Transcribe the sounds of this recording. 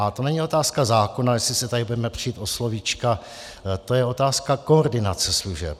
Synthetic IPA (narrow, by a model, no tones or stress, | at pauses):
ʔat̪o̞nɛɲio̞t̪aːskazaːko̞najɛslɪsɪt̪adɪbudɛmɛpr̝̥ijiːt̪ʔo̞slo̞vit͡ʃka | t̪o̞jɛo̞t̪aːskako̞oɾdɪnat͡sɛsluʒɛ̰p̚